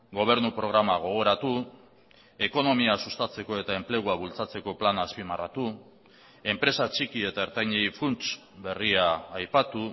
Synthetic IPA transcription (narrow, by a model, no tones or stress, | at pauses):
ɡo̞β̞e̞ɾnupɾo̞ɣ̞ɾamaɣ̞o̞ɣ̞o̞ɾat̪u | e̞ko̞no̞miasust̪at͡se̞ko̞e̞t̪ae̞mple̞ɣ̞uaβult͡sat͡se̞ko̞planaspimara̰t̪u | e̞mpɾe̞sat͡ʃikie̞t̪aeɾt̪ajɲejfunt͡ʃ | be̞riaːjpat̪u